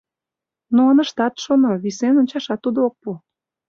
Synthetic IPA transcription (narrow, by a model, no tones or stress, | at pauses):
noɑnəʃt̪ɑt̪ʃonoβisenonʲt͡ɕɑʃɑt̪ːud̪ook̚pu